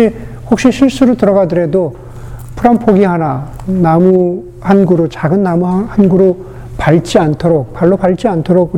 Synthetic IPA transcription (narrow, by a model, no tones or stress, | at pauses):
i | hok̚ɕ͈iɕʰiɭs͈uɾotɯɾʌɡadɯɾe̞do | pʰɯɾampʰoɡiɦana | namu | hanɡuɾot͡ɕaɡɯnːamuhanɡuɾo | paɭt͡ɕ͈iantʰoɾok̚paɭːopaɭt͡ɕ͈iantʰoɾoɡ